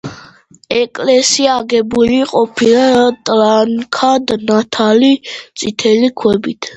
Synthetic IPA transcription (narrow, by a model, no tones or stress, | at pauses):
ɛkʼlɛsiaːɡɛbuliqʼɔpʰilat̪ʼlankʰad̪nat̪ʰalit̪sʼit̪ʰɛlikʰwɛbit̪ʰ